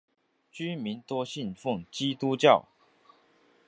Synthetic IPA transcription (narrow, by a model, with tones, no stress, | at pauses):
t͡ɕy˥mi˨˥nt̪wɔ˥ɕi˥˨nfʊ˥˨ŋt͡ɕi˦t̪u˦t͡ɕjɑ˥˨˩ʊ